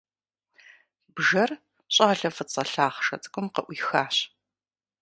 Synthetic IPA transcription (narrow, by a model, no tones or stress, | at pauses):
bʒɐr | ɕʼaːɮɐfɨt͡sʼɐɬaːχʂɐ̰t͡sʼɨ̥kʷʰʼʊmqɐʔʷiːxaːɕ